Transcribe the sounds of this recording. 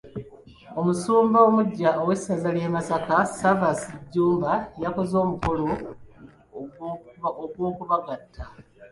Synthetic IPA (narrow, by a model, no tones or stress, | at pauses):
o̞musuːmbaomuɟːaowesazaliemasakasavasiɟːuːmbajako̞zo̞ːmuko̞lo | oɡwoːkuβaɡatʰːa